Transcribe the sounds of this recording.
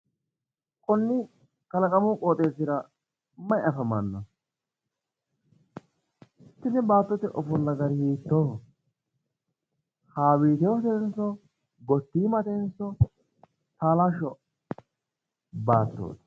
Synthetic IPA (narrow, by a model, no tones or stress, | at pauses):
kʼɔnːɪ | kɐlɐkʼɐmʊkʼoːt̪ʼeːsɪɾɐ | mɐjɐfɐmɐnːɔ | ɪt̪ːɪnːɛbaːt̪ːɔt̪ɛʔɔfʊlːɐɡɐɾhiːt̪ːoː | haːwiːt̪ɛwɔt̪ɛnsɔ | ɡɔt̪ːiːmɐt̪ɛnsːɔ | t̪aːlaʃɔ | baːt̪ːo̰ːt̪